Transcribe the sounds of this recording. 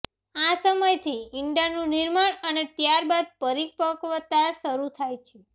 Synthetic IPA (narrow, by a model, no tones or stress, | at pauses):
asəməjt̪ʰiɪɳɖanũniɾmaɳənet̪jaɾbad̪̚pəɾik̚pəkʋət̪asəɾut̪ʰajt͡ʃʰe